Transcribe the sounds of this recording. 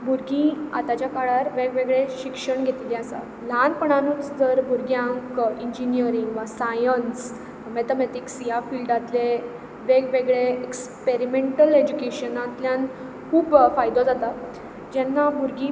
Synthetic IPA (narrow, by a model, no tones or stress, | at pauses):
bʱuɾɡĩa̰t̪at͡ɕjakaɭaɾʋeɡʋeɡɭeɕikʂəɳɡʱet̪ileasa̰ | lanpəɳanũːt͡sd͡zəɾbʱuɾɡjãŋkiɲd͡ʑiniəɾiŋɡʋasajəns | met̪amet̪iksiafilɖat̪le | ʋeɡʋeɡɭeekspeɾimeɳʈəled͡ʑukeɕənat̪ljãn | kʰuːbfajd̪od͡zat̪a | d͡ʑɛnːabʱuɾɡĩ